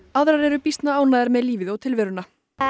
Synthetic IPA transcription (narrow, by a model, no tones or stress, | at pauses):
aðɾaɾɛɾʏpist̪naaːwnaðɛɾmɛðliːvɪðɔwt̪ʰɪlvɛːɾʏna